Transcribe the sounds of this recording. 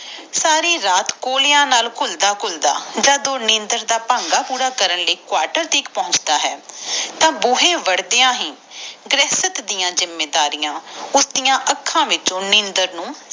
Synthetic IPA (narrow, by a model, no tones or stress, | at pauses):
saːɾiːɾaːt̪koːlejãːnaːlkʰʊld̪aːkʰʊld̪a̰ːd͡ʒaːd̪oːnɪ̃ːnd̪əɾd̪aːpãːŋɡaːpuːɾaːkəɾənləiːkʊwaːɾʈəɾt̪iːkpɔ̃ɦʊ̃t͡ʃd̪aːɦɛːt̪ãːbʊːɦẽːʋəɽd̪eːãːɦĩː | ɡɾɛːsət̪d̪ɪjãːd͡ʒɪmːeːd̪aːɾijãːʊsd̪ijãːʔəkʰːãːʋɪt͡ʃõːnɪ̃ːnd̪əɾnũː